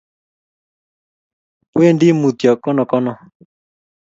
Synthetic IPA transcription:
we˦˨ndi˦mu˨t̪jɔ˨kɔ˦nɔ˨kɔ˦nɔ˨

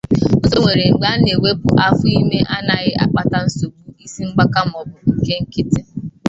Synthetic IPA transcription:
ʊ˦zo˨wʷe˨ɾe˨ŋ͡m̩˨ɡ͡ba˦ne˨we˦pʊ̰˨ʔa˦fʊ˦i˦me˦ʔa˦na˨ɣɪ˦ʔa˨k͡pa˦ta˦n̩˦so˨bu˨i˦si˦ŋ͡m̩˦ɡ͡ba˦ka˦m̩˦ɔ˨bʊ˨ŋ̩˨ke˦ŋ̩˦kɪ˦tɪ˦

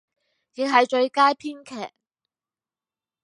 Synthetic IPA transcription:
jɪ˨˥ŋɦɐ˨˩jt͡ʃɵ˧ɥkaː˥jpʰiː˥nkʰɛ̰ː˨˩k̚

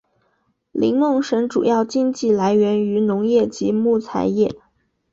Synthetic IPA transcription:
lḭ˧˥ŋmɤ˥˩ŋʂə˧˥ŋʈ͡ʂṵ˨˩jɑ˥˧ʊt͡ɕi˥ŋt͡ɕi˥˩la˧˥ɪɥɛ˧˥ny˧˥nʊ˧˥ŋjɛ˥˩t͡ɕi˧˥mu˥˩t͡sʰa̰˧˥ɪjɛ˥˩

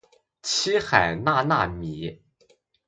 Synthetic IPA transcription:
t͡ɕʰi˥xa˨˩ɪna˥˧na˥˩mi˨˧˩

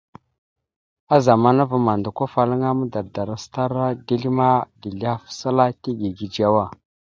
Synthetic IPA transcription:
a˦za˨ma˦na˦va˨ma˨ndu˨kʷa˦fa˨lə˦ŋa˦mu˦da˨da˨ɾa˦sta˦ɾa˦di˦ɬi˦ma˦ɡi˨ɮa˦fsa˦la˦ti˦ɡi˨ɡi˨d͡ʒa˦wa˦

